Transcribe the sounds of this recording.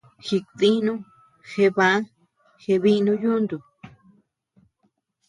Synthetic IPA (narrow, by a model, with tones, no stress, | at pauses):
xi˧ði˦nũ˦ | xe˧βã˧˦ | xe˧βi˦nũ˦ju˦nd̪u˨